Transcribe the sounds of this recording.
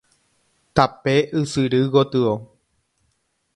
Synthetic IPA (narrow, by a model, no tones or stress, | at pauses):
t̪apeʔɨsɨɾɨɡot̪ɨo